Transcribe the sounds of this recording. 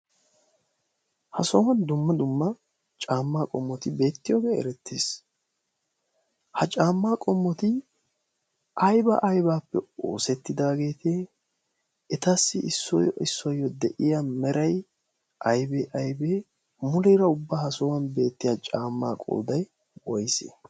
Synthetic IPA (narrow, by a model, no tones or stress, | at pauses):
hɐsɔwɐnd̪ʊmːɐd̪ʊmːɐ | t͡ʃʼaːmːaːkʼɔmːɔt̪ɪbe̞ːt̪ːɪjoːɡeːɛ̰ɾɛt̪ːeːs | hɐt͡ʃʼaːmːaːkʼɔmːɔt̪ɪ | ʔɐjbɐ̰ʔɐjbaːpːɛo̞̰ːsɛt̪ːɪd̪aːɡe̞ːt̪ʰe | ɛt̪ɐsːɪɪsːɔ̰j̰ɪsːɔjːɔd̪ɛʔɪjamɛɾɐj | ʔɐjbɛʔɐjbe | mʊlɛɾɐʊbːaːhɐsɔwɐnbe̞ːt̪ːɪjat͡ʃʼaːmːa̰ːkʼo̰ːd̪ɐj | wɔjsḛ